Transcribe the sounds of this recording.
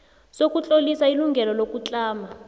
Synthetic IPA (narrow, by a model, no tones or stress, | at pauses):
sok̬ʼut͡ɬʼolisailuŋɡʱɛlɔlok̬ʼut͡ɬʼaːma